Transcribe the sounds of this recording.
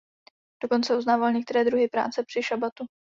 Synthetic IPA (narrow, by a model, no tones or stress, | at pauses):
d̥o̞ko̞nt͡sɛuznaːvalɲɛkt̪ɛɾɛːd̪ɾuɦɪpɾa̰ːt͡sɛpr̥ɪʃabat̪u